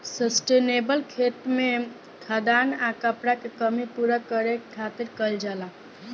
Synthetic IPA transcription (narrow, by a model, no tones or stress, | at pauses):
səsʈenebəlkʰet̪mẽ | kʰad̪anakəpɽakekəmipuɾakəɾekʰat̪iɾkəld͡ʒala